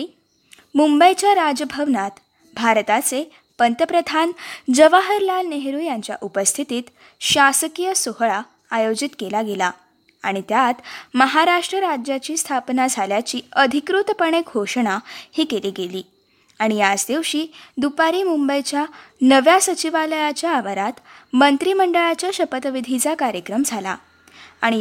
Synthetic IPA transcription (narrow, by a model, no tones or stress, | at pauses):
i | mumbəjt͡ɕjaɾad͡zəbʱəʋnat̪ | bʱaɾt̪at͡se | pənt̪əpɾəd̪ʱand͡zəʋaɦəɾlalneɦɾuːjaɲt͡ɕja̰ʔupəst̪ʰit̪iːt̪ | ɕasəkijəsoɦɭaː | jod͡ʑit̪kelaɡela | aɽ̃it̪jat̪məɦaɾaʂʈɾəɾad͡ʑjat͡ɕiːst̪ʰapnad͡zʱaljat͡ɕiːəd̪ʱikɾut̪pəɳ̃eɡʱoʂəɳahiːkeliːɡeliː | aɽ̃iad͡zd̪iwɕiːd̪upaɾiːmumbəjt͡ɕjanəʋjasət͡ɕiʋaləjat͡ɕjaːʋaɾat̪ | mənt̪ɾiːməɳɖəɭat͡ɕjaɕəpət̪ʋid̪ʱit͡sakaɾjəkɾəmd͡zʱala̰ | aɽ̃i